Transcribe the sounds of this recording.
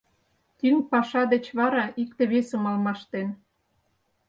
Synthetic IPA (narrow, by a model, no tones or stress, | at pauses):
t̪yŋpɑʃɑd̪et͡ɕβɑɾɑikt̪ĕβesə̆mɑlmɑʃt̪en